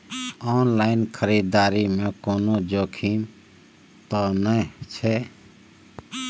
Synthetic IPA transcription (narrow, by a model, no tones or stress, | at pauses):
ɔːnlaːɪnkʰəɾiːd̪aːɾimẽkoːnod͡ʒoːkʰim | t̪ɔnət͡ʃʰɛ